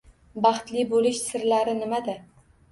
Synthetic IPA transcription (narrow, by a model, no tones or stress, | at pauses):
bɑχt̪lɪbolɪʃsɪɾlaɾɪnɪmad̪ɪ